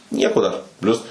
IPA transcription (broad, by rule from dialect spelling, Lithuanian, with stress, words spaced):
ˈnʲiɛkoː dɐr ˈpʲlʲʊs